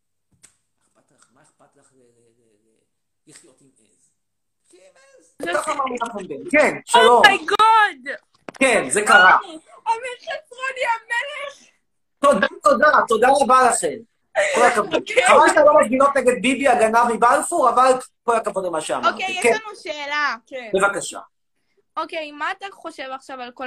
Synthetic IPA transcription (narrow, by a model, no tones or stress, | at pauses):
att̪ | iχot | kaχamaninaχenbenkenʃalomɡɔd | kenzekaʁa | omeχesʁonjameleχ | t̪o̞d̪at̪o̞d̪at̪o̞d̪aʁabalaχen | olakavodχavalt̪alomasɡino̞t̪neɡe̞d̪̚bibiaɡanavmibalfuʁavalkolakavod̪emaʃea̰m̰ʁikenuʃeːlabe̞vakaʃa̰ | okejmːaːt̪aχoʃevaχʃavalko